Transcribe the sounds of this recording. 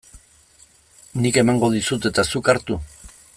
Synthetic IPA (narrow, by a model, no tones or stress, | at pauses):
nike̞maŋɡo̞ðisut̪e̞t̪asukaɾt̪u